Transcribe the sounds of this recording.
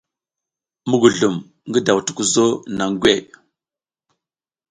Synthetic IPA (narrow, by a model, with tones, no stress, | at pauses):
mu˦ɡu˨ɮu˨m | ŋɡə˦da˨wtu̥˨ku˦zo˦na˨ŋɡʷe˦˨ʔ